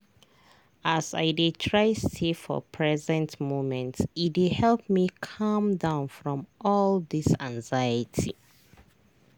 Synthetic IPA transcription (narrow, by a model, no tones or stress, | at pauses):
asa̰ɪditʰɹaɪstʰifɔ̰pʰɹɛzɛ̃ntmomɛ̃ntsidihɛlˠp̚mikʰʌ̃mdãʊ̃nfɹɔ̃mʔɔlˠðisãŋzajətʰi